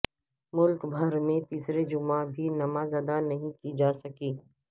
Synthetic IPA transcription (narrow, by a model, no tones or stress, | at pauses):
mʊlkbʱɐɾmẽt̪iːsɾed͡ʒʊmabʱinɐmaːzad̪anɐɦĩkid͡ʒaːsɐkiː